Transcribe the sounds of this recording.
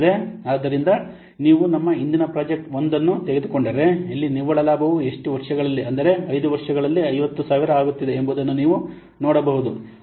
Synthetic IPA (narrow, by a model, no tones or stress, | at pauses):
ɾeaːd̪ːɐɾind̪ɐ | niːʋunɐmːɐind̪inɐpɾaːd͡ʒek̚ʈʋo̞nd̪ɐnːut̪eɡe̞d̪ukoɳɖɐɾe̞ɐlːiniʋɐɭɐlaːbɐʋue̞ʂʈuʋɐɾʂɐɡɐɭɐlːiɐnd̪ɐɾe̞ɐjd̪uʋɐɾʂɐɡɐɭɐlːiɐjʋɐt̪ːusaːʋiɾɐaːɡut̪ːid̪e̞ːmbud̪ɐnːuniːʋu | noːɽɐbɐɦud̪u